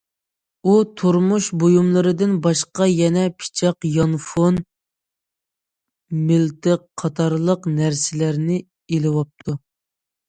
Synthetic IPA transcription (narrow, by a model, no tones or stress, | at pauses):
ut̪ʰuɾmuʃbojumlˠəɾɨd̪ɪnbɑʃqɑjɛnɛpʰɪ̥t͡ʃʰɑqjɑnfon | mɪlt̪ʰɪqʰːɑt̪ʰɑɾlˠəqnæɾsɪlæɾnɪ | elɪwɑp̚t̪ʰu